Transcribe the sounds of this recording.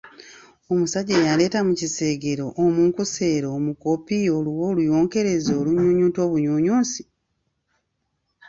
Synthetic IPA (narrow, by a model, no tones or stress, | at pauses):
o̞musaɟejale̞ːtamucise̞ːɡe̞ɾo̞ʔomuːŋkuse̞ːɾoːmuko̞pio̞luwo̞ːlujo̞ːŋke̞ɾe̞zoːluɲuːɲuːnto̞ːβuɲuːɲuːnsi̥